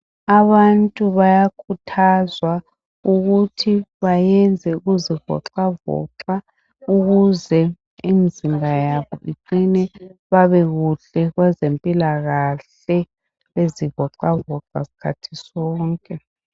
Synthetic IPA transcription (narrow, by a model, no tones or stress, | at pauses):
aβantʼuβajakʰutʰazwa | uɣutʰiβajɛnd͡zʱɛuɣuziɣɔ̰ǁavɔ̰ǁa | uɣuzɛ | imizimbʱajaβɔʔiǃinɛβaβɛɣuɬɛɣwɛzempʼilaɣaɬ | ɛ | βeziɣɔǁavɔǁa̰si̥kʰatʰi̥sɔːŋkʼɛ